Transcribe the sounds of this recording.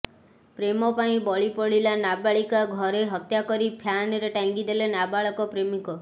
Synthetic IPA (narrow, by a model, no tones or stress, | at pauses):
pɾemɔpaĩbɔɭipɔɭilanabaɭikaɡʱɔɾeɦɔt̪jakɔɾipʰjanɔɾeʈaŋɡid̪elenabaɭɔkɔpɾemikɔ